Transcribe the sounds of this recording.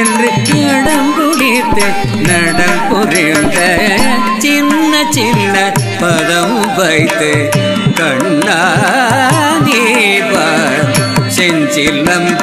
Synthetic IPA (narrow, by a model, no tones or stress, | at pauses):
ɛndrɯ | ɐɽɐmpʊɽɪ | t̪ːɯ | nɐɽɐmkʊɾɪnd̪ɐ | t͡ʃɪnːɐt͡ʃɪnːɐ | pɐðɐm | ʋɐɪt̪ːɯ | kɐɳː | aː | ni | paː | sɛɲt͡ʃɪlɐm